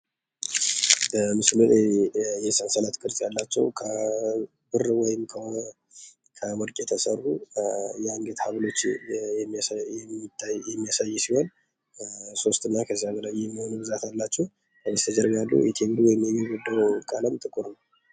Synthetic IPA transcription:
bəmɨslɨnjɛsənsəlat̪kʼɨɾtʼjalːat͡ʃːɛ̰wkʰə | bɨrwɔjɪmkʰə | kʰəməɾkʼjɛt̪ʰəsərːujaŋɡet̪haβlo̞t͡ʃː | ɛmt̪ːajɛmːijasajːsiho̞n | so̞st̪ʼɨnːakʰəzaɡ̪əlajɛmːiho̞nubɨzat̪alːat͡ʃːɛh | əjɛst̪ʰəd͡ʒɛɾɡalːṵjɛt̪ʰeɡɨɾiwɔjɪmjɛjɛɡɔd̪ːəwkʼaləmt̪ʼɨkʼuɾnəw

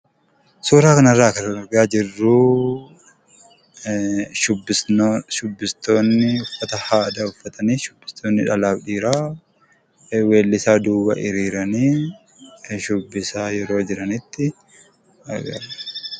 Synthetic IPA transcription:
suːɾaːkɐnɐrːaːkɐnɐnʊɾɡaːd͡ʒɪrːuː | ʃʊbʃʊbːɪst̪oːnːɪʊfːɐt̪ɐhaːd̪ɐʊfːɐt̪ɐniːʃʊ̥bːɪ̥st̪oːnːɪᶑɐlaːbᶑiːɾaː | weːlːɪsaːd̪uːwɐ̰ʔɪɾiːɾɐniː | ʃʊbːɪsaːjɛɾo̞ːd͡ʒɪɾɐnɪt̪ːɪ | ɐ̰ɡɐ̰ɾɐ̥

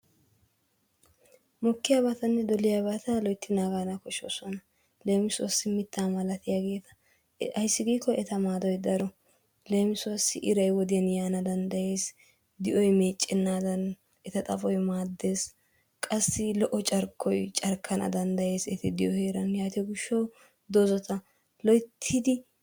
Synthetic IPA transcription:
mɔkːɪjaːβat̪ɐnːɛd̪ɔlɪjabat̪ɐlɔjt̪ːɪnaːɡaːnɐkɔʃo̰ːsɔnɐ | leːmɪsʊwɐsːɪmɪt̪ːaːmɐlɐt̪ɪjaɡe̞ːt̪ɐ̥ | ɐjsːɪɡiːkːɔɛt̪ɐmaːd̪ɔjd̪ɐɾɔ | le̞ːmɪswɐsːɪʔɪɾɐjwɔd̪ɪjɐnjaːnɐd̪ɐnd̪ɐje̞ːs | d̪ɪʔɔjme̞ːt͡ʃʼːɪnːaːd̪ɐn | ɛt̪ɐt̪ʼɐfɔjmaːd̪ːe̞ːs | kʼɐsːɪlɔʔɔt͡ʃʼɐɾkʰːɔjt͡ʃʼɐɾkʰːɐnʔɐ̰d̪ɐnd̪ɐje̞ːsɛt̪ɪd̪ɪjɔheːɾɐnjaːt̪ɪɡʊʃːɐw | d̪ɔzɔt̪ɐ | lɔjt̪ʰːɪd̪ɪ

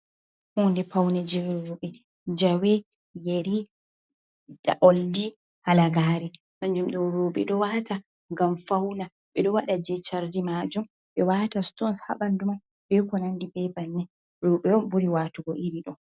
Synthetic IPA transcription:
hundɛpawnɛd͡ʒɛɾoɓɛ | d͡ʒawɛ | jeɾi | da̰ʔɔldi | halaɡaːɾɛ | maɲd͡ʒumɗɔɾuːɓɛ̰ɗɔwata | ŋɡamfawna | ɓɛɗɔwaɗad͡ʒɛt͡ʃaɾdimaːd͡ʒum | ɓɛwaːtastɔnsha̰ɓanduma | bɛkɔnandibɛbanːɛ | ɾuɓɛɔbuɾiwaːtuɡɔʔiɾiɗɔ

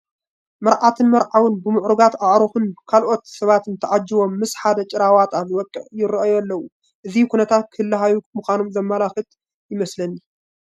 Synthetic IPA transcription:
mɐɾʕat̪ʰɨnmɐɾʕawɨnbɨmɨʕɾuɡat̪aʕɾɨxunkʰalʔo̞t̪sɐβat̪ɨnt̪ʰɐʕad͡ʒːɪβo̞mːɨsħad̪ɐt͡ʃʼɪɾawat̪aβzɨwɔkʼːɨ̰ʕjɪɾɐʔjlːɐwu | ʔɨzikʰunɐt̪ʰat̪̚kʰɨhɨlːɐɦajumɨxʷanomzɐmːalaxɨt̪ | jɪmɐslɐnːi

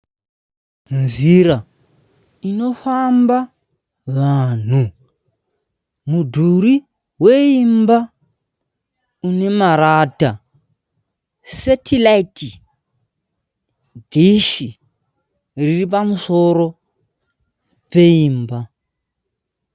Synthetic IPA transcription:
nd͡ziɾa | ino̞famba | ʋaːn̤u | mudʱuɾi | ɦweimba | une̞maɾata | setʰilaiti | diʃi | ririp̬amuso̞ɾo̞ | pe̞iːmba

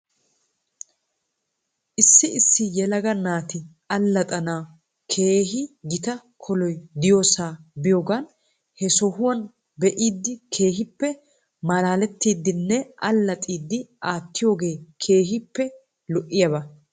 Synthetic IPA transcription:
ʔɪsːɪɪsːɪjɛlɐɡɐnaːt̪ɪ | ɐlːɐt̪ʼɐna | kʰe̞ːɦɪɡɪt̪ɐ | kʰɔlɔjd̪ɪjoːsaːbɪjoːɡan | hɛsɔhʊwɐn | bɛʔiːd̪ːɪkʰe̞ːɦɪpːɛ | mɐlaːlɛt̪ːiːd̪ːɪnːɛʔɐlːɐt̪ʼiːd̪ːɪʔaːt̪ːɪjo̞ːɡe̞ːkʰe̞ːɦɪpːɛ | lɔʔɪjɐbɐ

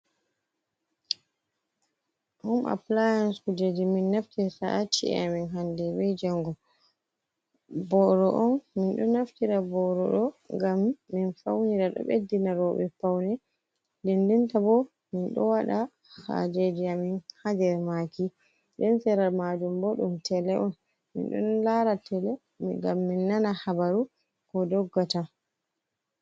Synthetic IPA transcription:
ʔumʔa̰plajanskud͡ʒediminːaftɛsaʔat͡ʃḭɛ̰aminɦandɛbɛd͡ʒaŋɡɔ | bɔɾɔʔɔnminɗɔnaftiɾabɔɾɔɗɔŋɡamːinfawniɾaɗɔ̰ɓḛdːinaɾɔɓɛ̰fawnɛ | lindintabɔ | minɗɔ̰waɗa | ha̰d͡ʒed͡ʒiaminhadɛɾmaki | ɗɛnsɛɾalmad͡ʒumbɔɗumtʰɛlɛʔɔn | mḭnɗɔ̰nlaɾatɛlɛ | mḭɡamːinːanahabaɾu | kɔdɔɡːata

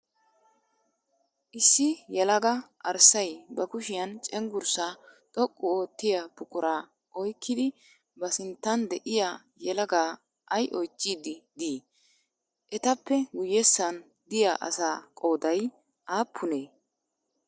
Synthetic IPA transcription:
ʔɪsːɪjɛlɐɡɐʔɐɾsɐjbɐkʊʃɪjɐnt͡ʃʼɛŋɡʊɾsat̪ʼɔkʼːʊoːt̪ːɪjab̥ʊkʼʊɾaː | ʔɔjkːɪd̪ɪ | bɐsɪnt̪ːɐnd̪ɛʔɪja | jɛlɐɡaː | ʔɐjʔɔjt͡ʃʼːiːd̪ɪd̪iː | ʔɛt̪ɐpːɛɡʊjɛsːɐn | d̪ɪjaːʔɐ̰saːkʼo̞ːd̪ɐj | ʔaːpʰːʊneː

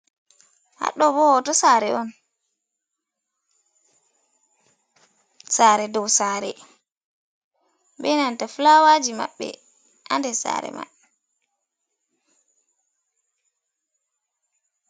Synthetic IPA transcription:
ha̰ɗɔbɔwɔtɔsaːɾɛɔn | saɾɛdɔwsaːɾɛ | bɛnantaflawad͡ʒima̰ɓːɛ̰ | ʔandɛsa̰ɾɛ̰ma̰

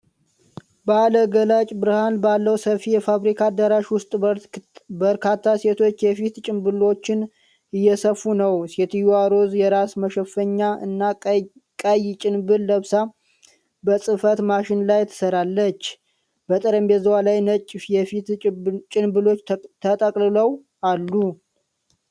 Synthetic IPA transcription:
bəaləɡəlat͡ʃʼbɨɾɨhanbalːəwsəfijɛfaβɾikʰad̪əɾaʃwʊst̪ʼ | bəɾkʰat̪ʰːase̞t̪ʰo̞t͡ʃːjɛfit̪t͡ʃʼɪmbɨlo̞t͡ʃːɪn | ɨjːɛsəfːunəwset̪juaɾo̞zjɛɾasməʃɛfːəɲːaʔɨ̰nːa | kʼajt͡ʃʼɪnbɨlːəβsa | bəsʼɨfət̪maʃɪnlajɛt̪ʰːə̥səɾalːət͡ʃː | bət̪ʼɨɾəmbɛzəwalajnət͡ʃʼːfjɛfit̪t͡ʃʼɪnbɨlo̞t͡ʃːt̪ʰət̪ʼəkʼlɨləw | alːu

